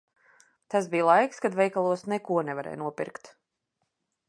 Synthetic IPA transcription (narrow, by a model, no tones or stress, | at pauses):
t̪asbijlˠajkskad̪vɛjkalˠuɔsnɛkuɔnɛvaɾɛ̰jnuɔpḭɾkt̪